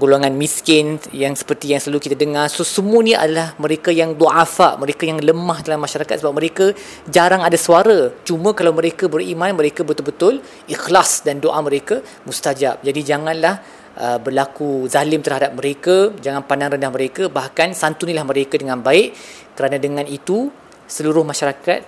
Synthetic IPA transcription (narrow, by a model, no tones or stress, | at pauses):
ɡuloŋanmiskɪnjaŋsə̥pərt̪ijaŋsəlalukit̪adəŋarsosəmuəniʔa̰dalahmə̃ɾekajaŋluʔafa̰ʔməɾekajaŋləmahdalamːaʃaɾakat̪səbap̚məɾeka | d͡ʒaɾaŋadaswaɾat͡ʃumə̃kalawmə̃ɾekabəɾimãnməɾekabət̪ʊlbət̪ʊl | ixlasdandoʔaməɾeka | must̪ad͡ʒap̚d͡ʒadid͡ʒaŋãnlah | ʔəbərlakuzalɪmt̪ərɦadap̚məɾekad͡ʒaŋanpandaŋrəndahməɾekabahkansant̪unilahməɾekadəŋãnbaɪʔ | kəɾanadəŋãnit̪u | səluɾʊhmaʃaɾakat̪̚